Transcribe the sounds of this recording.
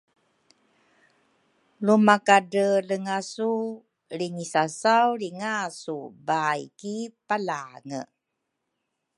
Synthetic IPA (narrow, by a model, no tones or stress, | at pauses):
lumakadələŋasu | ɾiŋisasawɾiŋasubajkipalaŋə̰